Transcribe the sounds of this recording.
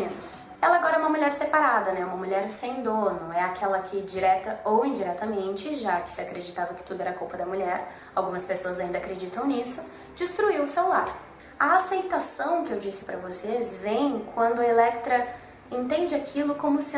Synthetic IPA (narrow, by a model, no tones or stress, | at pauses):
ẽt̪ʊs | ɛlɐaɡɔɾɐɛũmɐmuʎɛɾsepaɾad̪ɐnɛũmɐmuʎɛɾsẽj̃d̪õnʊɛakʰɛlɐkʰɪd͡ʒiɾɛt̪ɐowĩd͡ʒiɾɛt̪ɐmẽnt͡ʃɪʒakɪ̥sɪakɾed͡ʒit̪avɐkɪ̥t̪ud̪ʊɛɾɐkuwpɐd̪ɐmuʎɛɾ | awɡũmɐspesoɐzaĩnd̪ɐakɾed͡ʒit̪ɐ̃w̃nisʊ | d͡ʒist̪ɾuiwʊsewa̰ɾ | ɐasejt̪asɐ̃w̃kɪewd͡ʒisɪ̥pɾɐvosezvẽj̃kwɐ̃nd̪ʊɐelɛkt̪ɾɐ | ẽnt̪ẽnd͡ʒɪakʰilʊkõmʊs